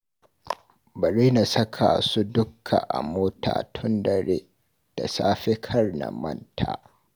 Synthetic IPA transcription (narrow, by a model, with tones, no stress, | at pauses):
bɐ˨ɾiː˦na˨sɐ˦kʰa˨su˦dʊ˦kʰːa˨ʔa̰˨moː˦tʰa̰ː˨tʰʊ˦ndɐ˨ɾeː˦ | d̥a˨saː˦ɸe˦kʰɐ˦rna̰˨mɐ̰˦ntʰaː˦